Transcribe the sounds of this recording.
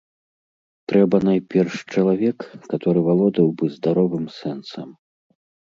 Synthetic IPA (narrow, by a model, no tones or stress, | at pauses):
t̪ɾɛbɐnajpʲɛrʂt͡ʂɐlˠavʲɛkːat̪ɔɾɨvalˠɔd̪ɐwbɨzd̪aɾɔvɨmsɛnsɐ̰m